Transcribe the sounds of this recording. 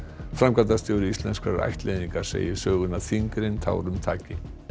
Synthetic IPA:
fɾamkat̪ast̪jɔwɾʏist̪lɛnskaɾɾa̰jht̪lejðiŋkḁsḛːjɪsœːɣʏnaðθiŋkɾɪnt̪ʰa̰ːwɾʏmt̪ʰa̰ːcɪ

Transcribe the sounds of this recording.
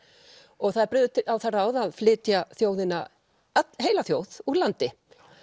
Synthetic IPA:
ɔɣθaðɾpɾʏːðʏt̪ʰɪawθaraːwðaðflɪːt̪jaθjoːwðɪna | at̪ɦeːjlaθjoːwðuɾlant̪ɪ

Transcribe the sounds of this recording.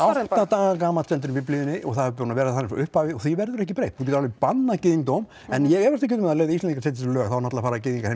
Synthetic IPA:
awwt̪at̪aːɣak̬aːmaɛnt̪ʏɾʏmvɪplɪːðʏnːɪʔɔɣθaðɛvpɾnavɛːɾaθanɪfɔʏhphaːvɪɔθivɛɾðʏɾɛhcɪpɾejht̪hucɛt̪ːɾalvɪpanːacɪːðiŋt̪owm | ɛnjɛɣɛvɛɾst̪ɪ̥kʰcɛːt̪ʏmɛðaleːjðaist̪ɛniŋkḁseːt̪ɪslœːɣθawɾnat̪lafaːɾacɪːðiŋkaɾhɛ

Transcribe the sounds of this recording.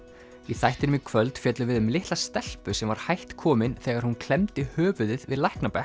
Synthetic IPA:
iθajht̪ɪnʏmikʰvœlt̪fjɛt̪lʏvɪðʏmlɪht̪last̪ɛl̥pʏsɛmvaɾ̥hajht̪kʰɔːmɪnθɛːɣaɾ̥hunkʰl̥ɛmt̪ɪhœːvʏðɪðvɪðlajhknapɛh

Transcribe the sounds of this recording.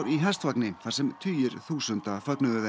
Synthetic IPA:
ɾiɦɛl̥st̪vaknɪθaɾ̥sɛmt̪ʰyːjʏɾθuːsʏnt̪afœknʏðʏɛ

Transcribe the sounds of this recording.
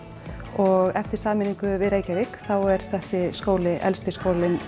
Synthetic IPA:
ɔɣɛft̪ɪɾ̥saːmɪniŋkʏvɪðɾeːjcaɾɪkθawɛɾ̥θɛsːɪskoːwlɪʔɛ̰lst̪ɪskoːwlɪn

